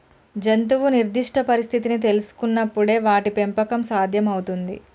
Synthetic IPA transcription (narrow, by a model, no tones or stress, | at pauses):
d͡ʒent̪uʋuniɾd̪ʱiʂʈʰɐpɐɾist̪ʰit̪init̪̬e̞lusu̥kunːɐpːuɽe̞ːʋaːʈipe̞mpɐkɐmsaːd̪ʱjɐmɐwut̪und̪ḭ